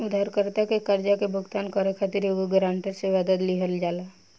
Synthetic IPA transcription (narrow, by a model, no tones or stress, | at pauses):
ʊd̪ʱaɾkəɾt̪akekəɾd͡ʒakebʱʊɡt̪aːnkɔɾekʰat̪iɾoɡoɡɾãːɳʈəɾseʋəd̪əd̪liɦəld͡ʒaːla